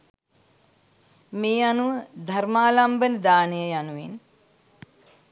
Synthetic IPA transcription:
meːanuʋəd̪ʱarmaːlambənəd̪aːnəjəjanuʋḛn

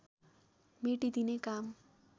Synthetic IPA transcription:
meʈid̪inekam

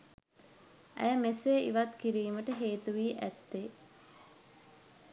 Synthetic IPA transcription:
æ̰jəmeseʔḭʋat̪kiɾiːməʈəɦeːt̪uʋiːʔæt̪ːe

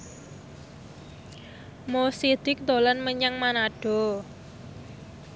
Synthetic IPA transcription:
mosid̪̥ɪk̚d̪o̤lanməɲaŋmanaɖ̥ɔ̤

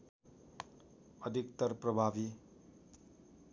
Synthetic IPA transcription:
ʌd̪ʱik̚t̪ʌɾprʌbʱabi

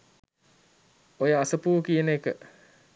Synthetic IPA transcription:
ojəasəpuːkijənəekə

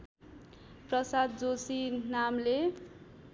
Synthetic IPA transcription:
prʌsad̪̚d͡zosinamle

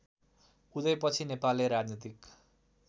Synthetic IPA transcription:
ud̪ʌjpʌt͡sʰinepalːeɾad͡znit̪ik

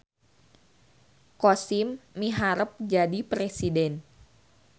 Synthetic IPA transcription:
kosimːiɦaɾəp̚d͡ʒadipɾesidɛn

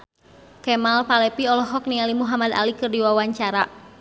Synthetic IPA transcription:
kɛmalpalɛpiɔlɔɦɔk̚nialimuɦamad̪a̰likɨrdiwawaɲt͡ʃaɾa

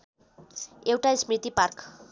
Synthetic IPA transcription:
ewʈasmrit̪ipark

